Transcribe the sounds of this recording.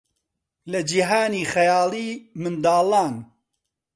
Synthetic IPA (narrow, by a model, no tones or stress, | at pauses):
lɐd͡ʒiɦaːniːxɐjaːliːmɨnd̪aːlɑːn